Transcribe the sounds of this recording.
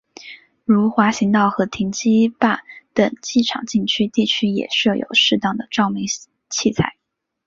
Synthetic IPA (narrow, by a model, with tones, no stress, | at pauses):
ɻu˧˥xwa˧˥ɕi˧˥ŋt̪ɑ˥˩ʊxɤ˧˥t̪ʰi˧˥ŋt͡ɕi˥pa˥˩t̪ə̰˨˩ŋt͡ɕi˥˩ʈ͡ʂʰɑ̰˨˩ŋt͡ɕi˥˩ŋt͡ɕʰy˥t̪i˥˩t͡ɕʰy˥jɛ̰˨˩ʂɤ˥˩jo̰˨˩ʊʂɻ̩˥˧t̪ɑ˥˩ŋd̪ə˩ʈ͡ʂɑ˥˩ʊmi˧˥ŋ | t͡ɕʰi˥˧t͡sʰa˥˩˦ɪ